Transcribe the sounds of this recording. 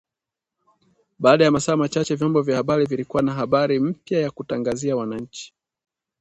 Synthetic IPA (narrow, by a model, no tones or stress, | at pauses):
ɓaːɗajamasaːmat͡ʃat͡ʃɛvjɔmbɔvjahaɓaɾivilikuwanaɦaɓaɾim̩pjajakutaŋɡaziawanaɲ̩t͡ʃi̥